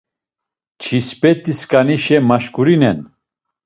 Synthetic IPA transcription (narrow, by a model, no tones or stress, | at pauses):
t͡ʃʰispʼɛt̪ʼiskʼaniʃɛmaʃkʰʼuɾinɛn